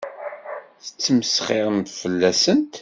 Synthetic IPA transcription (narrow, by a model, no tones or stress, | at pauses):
θə̥t͡sːəməsχɪʁmt̪fəlːæsənt̪